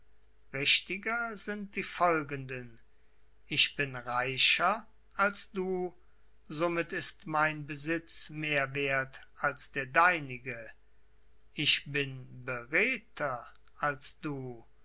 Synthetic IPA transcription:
ʁɪʃtɪɡɐzɪnt̚d̥iːfɔlɡəndən | ɪʃb̥ɪnʁaɪʃɐ | alsd̥uː | zomɪtɪstmaɪnbəzɪt͡smeːɐveːɐtalsd̥eːɐdaɪnɪɡə | ʔɪʃb̥ɪnbəʁeːtʰɐ | alsd̥uː

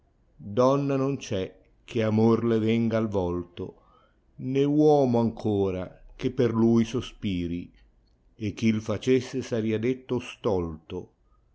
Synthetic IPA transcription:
d̪ɔnːanont͡ʃɛ | k̟ʰeamorlevɛŋɡalvɔlt̪o̰ | newɔːmoaŋkʰoːɾa̰k̟epːerlujsospiːɾi | ek̟ːilfat͡ʃesːesaɾiad̪et̪ːost̪ɔlt̪o

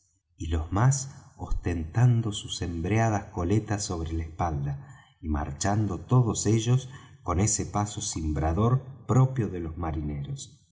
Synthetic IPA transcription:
ilo̞zmasost̪ent̪and̪o̞susembɾeað̞asko̞let̪asːo̞β̞ɾelaespald̪a | ima̰ɾt͡ʃand̪o̞t̪o̞ðo̞se̞ʒo̞s | ko̞ne̞sepasosimbɾaðo̞ɾpɾopjoðelo̞zmaɾineɾos

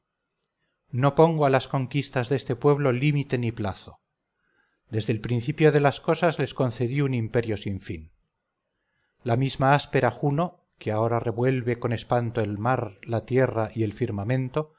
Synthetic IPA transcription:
no̞po̞ŋɡoalasko̞ŋkist̪azðe̞st̪e̞pwe̞β̞lo̞limit̪e̞niplaθo̞ | d̪e̞zðelpɾinθipjo̞ð̞e̞lasko̞sazle̞sko̞nθe̞ðiunimpe̞ɾjo̞siɱfin | lamizmaaspe̞ɾaxuno̞ | keao̞ɾare̞βwe̞lβe̞ko̞ne̞spant̪oe̞lmaɾlat̪je̞raʔie̞lfiɾmamẽ̞nt̪o̞

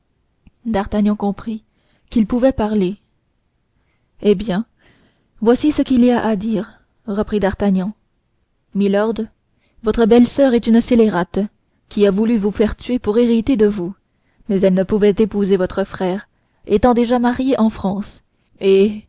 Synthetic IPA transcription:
d̪aʁt̪aɲjɑ̃kɔ̃pχi | kilpuvɛpaʁle | ebjɛ̃ | vwasisəkiliaʔad̪iːʁ | ʁəpχid̪aʁt̪aɲɑ̃ | milɔʁd̪ | vɔt̪χəbɛlsœʁɛt̪ynseleʁat̪ | kʲiavulyvufɛʁt̪ɥepuʁeʁit̪ed̪əvu | mɛzɛlnəpuvɛt̪epuzevɔt̪χəfχɛːʁ | et̪ɑ̃d̪eʒamaʁjeʔɑ̃fχɑ̃ːs | e

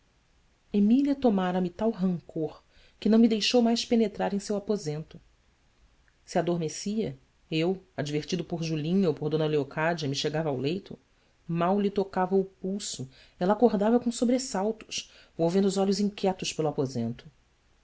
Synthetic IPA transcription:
emiliɐt̪omaɾɐmɪt̪awɦɐ̃ŋkʰoχ | kɪnɐ̃w̃mɪd̪ejʃowmajʃpenet̪ɾaɾẽj̃sewapozẽnt̪ʊ | sɪad̪oɾmesiɐ | ewad͡ʒiveɾt͡ʃid̪ʊpʊɾʒulĩɲɐopoɾd̪õnɐleokad͡ʒiɐmɪʃeɡavɐawlejt̪ʊ | mawlit̪okavɐʊpuwsʊ | ɛlakoɾd̪avɐkõw̃sobɾesawt̪ʊ̥ʃ | vowvẽnd̪ʊzɔʎʊzĩŋkʰʲɛt̪ʊʃpelʊapozẽnt̪ʊ̥

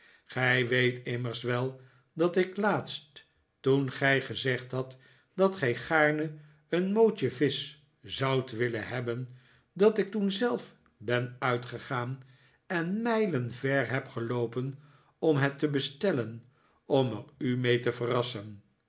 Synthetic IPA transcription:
χɛjʋejtɪməɹsʋɛlˠ | dɑtɪklaːtst | tunχɛjχəzɛχtɦɑt | d̥ɑtχɛjχaːɹnə | ənmowt͡ʃəvɪs | zɑwtʋɪlənɦɛbən | dɑtɪk̚tunzɛlˠf | bɛnœɥtχəχaːn | ɛnmɛjlənvɛɹɦɛpχəlowpən | ɔmɦɛtəbəstɛlən | ɔmərymejtəvərɑsən

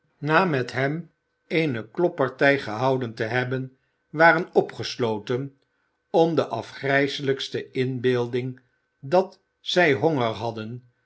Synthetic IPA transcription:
naːmɛtɦɛm | ejnəklɔpɑɹtɛjχəɦɑwdəntəɦɛbən | ʋaːrənɔpχəslowtən | ɔmdəʔɑfχrɛjsələkstəɪnbeːlˠdɪŋ | dɑt | sɛjɦɔŋəɹɦɑdən

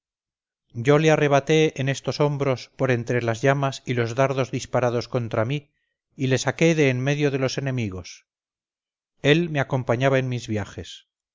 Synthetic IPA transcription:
ɟ͡ʝo̞leare̞βat̪e̞ene̞st̪o̞so̞mbɾo̞spo̞ɾe̞nt̪ɾe̞lazʝamasilo̞zðaɾðo̞zðispaɾað̞o̞sko̞nt̪ɾamiː | le̞sake̞ðe̞ːnme̞ðjo̞ðe̞lo̞se̞nẽ̞miɣ̞o̞s | e̞lmeako̞mpaɲaβaenmizβjaxe̞s

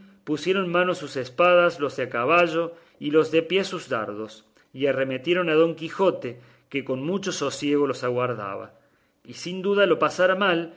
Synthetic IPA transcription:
pusje̞ɾo̞nmãno̞susespaðaslo̞zðeakaβaʒo̞ | ilo̞zðe̞pje̞suzða̰ɾðo̞s | iaremet̪je̞ɾo̞naðo̞ŋkixo̞t̪e | keko̞nmut͡ʃo̞so̞sje̞ɣ̞o̞lo̞saɣwaɾða̰βa̰ | isind̪uðalo̞pasaɾamal

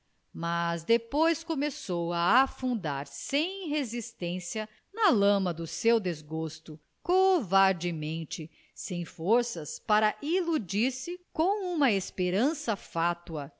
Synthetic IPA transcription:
mazd̪epojskomesowaːfũnd̪aɾsẽj̃ɦezist̪ẽsiɐ | nɐlɐ̃mɐd̪ʊsewd̪ezɡost̪ʊ | kovaɾd͡ʒimẽnt͡ʃɪ | sẽj̃foɾsɐspaɾɐʔilud͡ʒiɾsɪkõw̃ũmɐespeɾɐ̃sɐfat̪uɐ

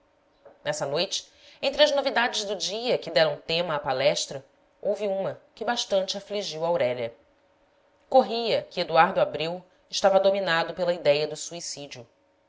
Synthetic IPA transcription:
nɛsɐnojt͡ʃɪ̥ | ẽnt̪ɾɪɐznovid̪ad͡ʒɪzd̪ʊd͡ʒiɐkɪd̪ɛɾɐ̃w̃t̪ẽmɐːpalɛʃt̪ɾɐ | owviũmɐkɪbaʃt̪ɐ̃nt͡ʃɪafliʒiwɐawɾɛʎɐ | koɦiɐkɪed̪uaɾd̪ʊabɾiw | ɪʃt̪avɐd̪ominad̪ʊpelɐid̪ɛjɐd̪ʊsuisid͡ʒiʊ

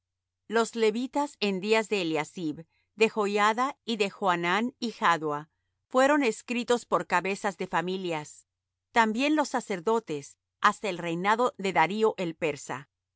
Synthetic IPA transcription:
lo̞zle̞βit̪asend̪iazðe̞ːljasiβ | d̪e̞xo̞jaðaiðe̞xoananixaðwa | fwe̞ɾo̞ne̞skɾit̪o̞spo̞ɾkaβe̞sazðe̞familjas | t̪ambje̞nlo̞sːase̞ɾðo̞t̪e̞s | ast̪aelre̞jnaðo̞ðe̞ðaɾio̞ʔe̞lpe̞ɾsa̰

